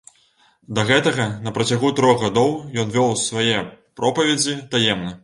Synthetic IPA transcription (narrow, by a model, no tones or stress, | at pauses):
d̪ɐɣɛt̪ɐɣɐnɐpɾɐt͡sʲaɣut̪ɾɔɣɣad̪ɔwjɔnvʲɔwsvajɛpɾɔpɐvʲɛd͡zʲit̪ajɛmnɐ